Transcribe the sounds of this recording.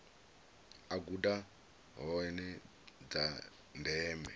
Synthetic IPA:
aɡuda | ɦɔɛnɛ | d͡za | ndɛːmɛ

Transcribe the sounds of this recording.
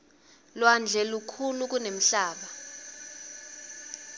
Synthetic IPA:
lwand͡ɮʱɛlukʰuluk̬ʼunem̩ɬaːɓa

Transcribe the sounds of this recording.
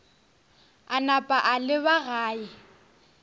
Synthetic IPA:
anapʼaʔalɪβaɣaːɪ

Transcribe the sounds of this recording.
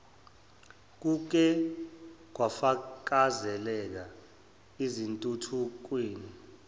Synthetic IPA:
k̬uk̬ɛ | k̬wafak̬ʼazɛlɛk̬a | izintʼutʰuk̬wiːni

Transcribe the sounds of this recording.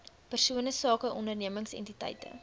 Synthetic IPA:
pərsuənəsɑːkəʔɔndərniəməŋsɛ̰ntitɛ̰jtə̰

